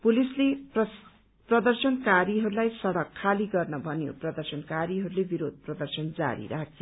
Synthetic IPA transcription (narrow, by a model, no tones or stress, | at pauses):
pulisleʌ | prʌd̪ʌrsʌnkaɾiɦʌɾulajsʌɽʌkʰːaliɡʌrnʌbʱʌnjo̰prʌd̪ʌrsʌnkaɾiɦʌɾulebiɾod̪̚ʱprʌd̪ʌrsʌnd͡za̰ɾḭɾa̰kʰjo